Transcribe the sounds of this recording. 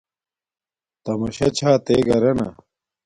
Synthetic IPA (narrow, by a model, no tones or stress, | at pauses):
t̪ɐmɐɕɐt͡ɕʰaːt̪eːɡɐɾɐnɐ̰